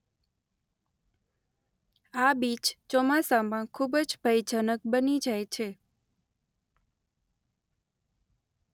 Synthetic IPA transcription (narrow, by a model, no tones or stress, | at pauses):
abit͡ʃt͡ʃɔmasamãkʰubəd͡ʒbʱəjd͡ʒənək̚bənid͡ʒajt͡ʃʰe